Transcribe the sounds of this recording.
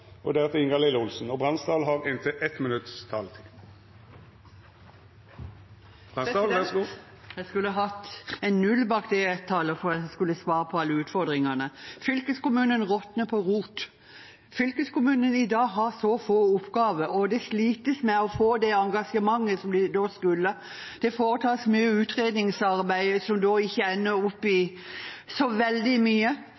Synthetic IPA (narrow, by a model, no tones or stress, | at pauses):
ʔɔ̰d̪ɛɾɛt̪ɪŋɑlɪləʊlsn̩ɔbʁɑnsd̪ɑːlɦɑʁɪnt̪ʰəʔɛt̪mɪnʉt̪st̪ʰɑ̰ːlt̪ʰɪ | bʁɑː | jæskʉlːəɦɑt̪ːɛnːʉlbɑːkd̪ɛɛt̪ʰːɑləfɔɾɑskʉlːəsʋɑːʁəpʰɔɑlːəʉːt̪fɔʁd̪ʁɪŋɑnəfʏlkəskʊmʉːnənʁɔt̪nəpʰɔʁuːt̪ | fʏlkəskʊmʉːnənɪd̪ɑːɡɦɑɾsɔfoːʊpːɡɑːʋəɔd̪ɛsliːt̪əsmɛɔfoːd̪ɛɑŋɡɑʂəmɑŋːəsɔmd̪ɛd̪oːskʉlːə | d̪̥ɛfoːɾət̪ʰɑːsmyːəʉːt̪ɾeːd̪nɪŋsɑɾbæɪsɔmd̪oːɪçːəænːəɾʊpːɪ | sɔʋɛld̪ɪmyːə